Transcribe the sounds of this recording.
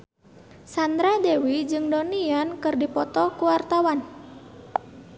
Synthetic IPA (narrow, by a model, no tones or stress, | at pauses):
sand̪ɾadewid͡ʒɨŋdoniankɨrdipɔt̪ɔkuwart̪awan